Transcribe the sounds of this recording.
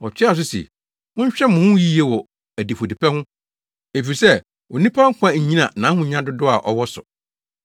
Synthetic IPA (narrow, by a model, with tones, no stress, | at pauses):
ɔ˨t͡ɕʰᶣɪ˦a˦˨s̬ʊ˦sḛ˨ | mʊ̃˦ɲ˦ɕᶣɛ˦mʊ̃˨hʊ̃˦ji˦e˦wɔ˨ | æ˨di˨fo˨di˨pʰɛ˦hʊ̃˦ | e˨fi˨sɛ˦˨ | o˨nĩ˦pʰã˦ŋ̩˦kʷʰã˦ɲ̩˨ɲĩ˦nã̰˨nã˨˦hʊ̃˦ɲã˦dʊ˦dʊ˦a̰˨ʔɔ˨wɔ˦sʊ̰˨